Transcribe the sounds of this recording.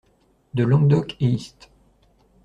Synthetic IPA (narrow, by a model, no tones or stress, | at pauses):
d̪əlɔ̃ɡ̚d̪ɔkeist̪